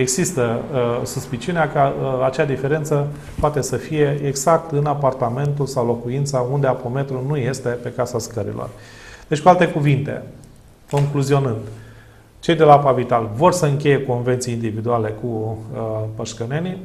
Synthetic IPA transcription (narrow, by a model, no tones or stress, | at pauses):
e̞ɡzist̪əsuspit͡ʃiuneakəat͡ʃead̪ife̞ɾe̞nt̪sə | poat̪e̞səfije̞eɡz̥ak̚t̪ɨnapart̪ame̞nt̪ulsawlo̞kuint̪saund̪e̞apo̞me̞t̪ɾunuje̞st̪e̞pe̞kasaskəɾḭlo̞̰r | d̪̥et͡ʃʲkualt̪e̞kuvint̪e̞̰ | ko̞ŋkluzio̞nɨnd̪ | t͡ʃe̞jd̪e̞laapavit̪alvo̞rsəɨŋkʲe̞je̞ko̞nve̞nt̪siind̪ivid̪uale̞kuəpəʃkəne̞ni